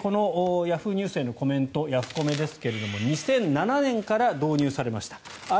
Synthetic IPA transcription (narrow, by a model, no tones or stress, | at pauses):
ko̞no̞jaɸɯ̟ɲ̟ʲɨːse̞ːno̞ko̞mẽ̞nt̪o̞jaɸɯ̟̥ko̞me̞d̪e̞sɨ̥ke̞ɾe̞d̪o̞mo̞ɲ̟isẽ̞nnananẽ̞ŋkaɾad̪o̞ːɲ̟ɨːsaɾe̞maɕi̥t̪ḁ | a